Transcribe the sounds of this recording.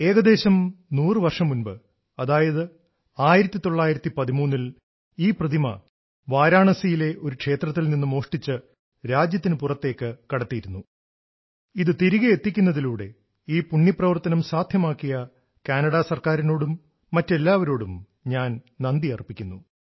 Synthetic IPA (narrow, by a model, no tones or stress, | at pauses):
e̞ːɣɐd̪e̞ːɕɐmnuːrɨʋɐrʂɐmunbɨ | ɐðaːjɐðɨ | aːjiɾɐt̪ːit̪o̞ɭːaːjiɾɐt̪ːipɐðimuːnːil | iːprɐd̪ʱimɐ̰ | ʋaːɾaːɳɐsijile̞ʔo̞ɾukʂe̞ːt̪rɐt̪ːilninːumo̞ːʂʈit͡ɕːɨ | ɾaːd͡ʑjɐt̪ːinɨpurɐt̪ːe̞ːkːɨkɐɽɐt̪ːijiɾunːu | iðɨt̪iɾiɣɐet̪ːikʲːunːɐðiluːɽe̞̰ | iːpuɳːjiprɐʋɐrt̪ɐnɐmsaːd̪ʱjɐmaːkːijɐ | kaːnɐɽasɐrkaːɾino̞ːɽumː | ɐtːe̞lːaːʋɐɾo̞ːɽum | ɲaːn | nɐnd̪iɐripːikʲːunːu